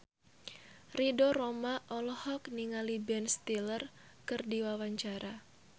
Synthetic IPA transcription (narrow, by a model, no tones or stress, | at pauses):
ridoromaʔɔlɔhɔkniŋalibɛnst̪ilər | kɨrdiwawaɲt͡ʃaɾʔa